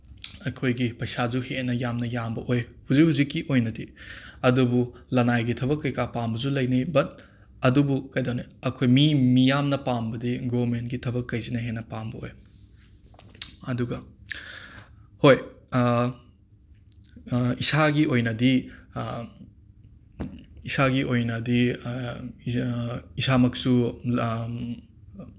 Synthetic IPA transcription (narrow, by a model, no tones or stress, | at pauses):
ɐjkʰojɡipɐjsazuhenɐjamnɐjambɐʔojhuzikhuzikːiʔojnɐdiɐdubulɐnajɡitʰɐbɐkːɐjkapambɐzulɐjnijbɐt̚ | ɐdubukajdoŋniɐkʰojmimijamnɐpambɐdiɡomentɡitʰɐbɐkːɐjzinɐɦenɐpambɐo̰j | ɐduɡɐ | hoj | isaɡiojnɐdi | isaɡiʔojnɐdi | isamɐk̚su